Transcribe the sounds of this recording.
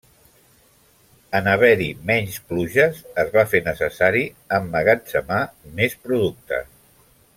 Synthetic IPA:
ənəβ̞ɛɾimɛɲspluʒəzəzβafenəsəsaɾi | əmːəɣat͡səmamespɾuðuk̚t̪ə̰

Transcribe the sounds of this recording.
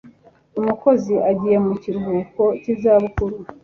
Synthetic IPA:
umuko̞ziʔaɟije̞muciɾɡuːko̞cizaːβukuɾu

